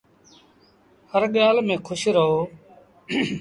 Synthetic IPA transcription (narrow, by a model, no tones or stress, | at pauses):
həɾɠjaːlmẽːkʰʊʃɾəɦoː